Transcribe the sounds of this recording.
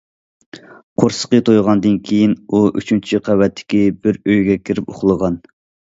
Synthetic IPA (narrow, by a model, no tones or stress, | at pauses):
qʰoɾsə̥qət̪ʰojʁɑnd̪ɨnkʲʰejinuʔy̰t͡ʃʰynt͡ʃʰiqʰæwɛt̪ʰːɪ̥kʲibɪɾøjɡʲɛkʲʰiɾɪpo̰χlˠəʁɑn